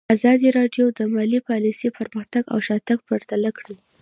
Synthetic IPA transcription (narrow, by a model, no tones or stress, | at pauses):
azɑd̪iɾɑɖjod̪əmɑlipɑlisipəɾməxt̪aɡa̰wʃɑt̪aɡ̚pəɾt̪alakɽəl